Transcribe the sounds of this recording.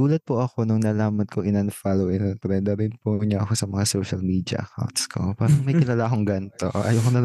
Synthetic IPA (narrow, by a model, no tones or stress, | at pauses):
uːlɐt̪̚poʔɐko̞noŋnɐlaːmɐnkʰoŋʔɪnɐnfaːlowʔɪnɐnp̪ɾɛnd̪ɐɾɪnpoɲɐʔɐko̞sɐmɐŋasoːʃɐlmiːd̪jɐ̰ʔɐ̰ka̰wnt̪̚skʰo̰paːɾɐŋmɐjkɪlaːlaːkoŋɡɐnt̪o̰ʔʔɐjoːkonɐl